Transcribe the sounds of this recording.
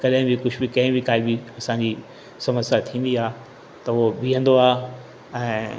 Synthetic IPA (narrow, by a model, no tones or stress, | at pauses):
kɐɗɦɪ̃bikʊd͡ʑʰbikɐ̃ɦɪ̃bikaːibiɐsãɲd͡ʑiː | sɐməsjat̪ʰĩːn̆d̪iaː | t̪ɐobiːə̃nd̪oaː | ɛ̃ː